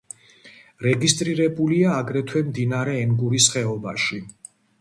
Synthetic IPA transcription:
ɾɛɡist̪ʼɾiɾɛbuliaːɡɾɛt̪ʰwɛmd̪inaɾɛːŋɡuɾisχɛɔbaʃi

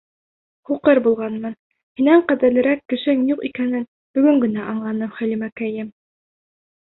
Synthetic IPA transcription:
χuqɤɾbulˠʁɑnmɤn | hinæɴqæðɘ̆ɾlɘ̆ɾækːɘ̆ʃɘŋjuqikænɘn | b̥ɵ̆ɡɵ̆ŋɡɵ̆næʔɑɴlˠɑnɤmχæ̆limækæjɘm

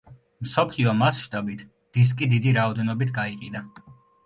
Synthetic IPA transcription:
msɔpʰliɔmasʃt̪ʼabit̪ʰ | d̪̥is̬kʼid̪id̪iɾaɔd̪ɛnɔbit̪ʰɡaiqʼid̪a

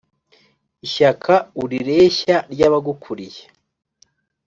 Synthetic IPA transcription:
iʃakʰauɾiɾe̞ːçaɾɟaːβaɡukʰuɾije

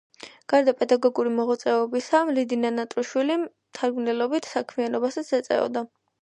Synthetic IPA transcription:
ɡ̥aɾd̪apʼɛd̪aɡɔɡuɾimɔʁɔt̪sʼɛɔbisamlid̪inanat̪ʼɾuʃwili | t̪ʰaɾɡmnɛlɔbit̪ʰsakʰmianɔbasat̪sʰɛt̪sʼɛ̰ɔ̰d̪a

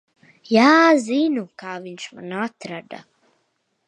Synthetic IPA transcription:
jaːziːnukʰaːvinʃmanaːt̪ʰɾaɖa̰

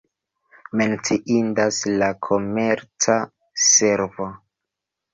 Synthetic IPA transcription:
me̞nt͡siʔindaslakʰo̞meɾt͡sa | se̞ɾvo

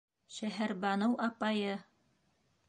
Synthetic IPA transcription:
ʃæɦæɾbɑnɤwʔɑpɑjɤ

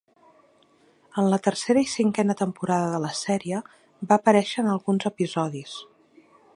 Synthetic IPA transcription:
ənlət̪ərseɾəisiŋkɛnət̪əmpuɾaðəðələsɛɾiə | baːpəɾɛʃəːnəlˠɣunzəpizɔðis

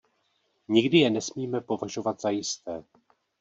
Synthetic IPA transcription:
ɲɪɡdɪjɛnɛsmiːmɛpo̞vaʒo̞vat̪z̥ajɪst̪ɛː

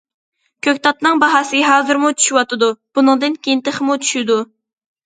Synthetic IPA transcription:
kʲʰøkʲt̪ʰɑt̪nɨŋbɑɦɑsɨɦɑːzɨɾmut͡ʃʰy̥ʃiwɑt̪ɨd̪ub̥unɨŋd̪ɨnkʲejint̪ɪχmut͡ʃʰy̥ʃid̪u

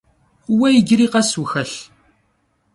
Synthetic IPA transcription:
uwæjəɡɾiqæsuxæɬ

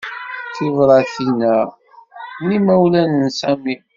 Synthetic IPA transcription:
θivɾˤɑθinæ | nimæwlænənsæmim

